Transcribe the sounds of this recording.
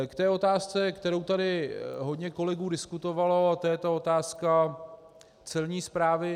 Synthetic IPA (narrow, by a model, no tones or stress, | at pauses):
kt̪ɛːo̞t̪aːst͡sɛkt̪ɛɾo̞wt̪adɪɦo̞dɲɛko̞lɛɡuːdɪskut̪o̞valoat̪ojɛt̪ao̞t̪aːska | t͡sɛlɲiːspɾaːvɪ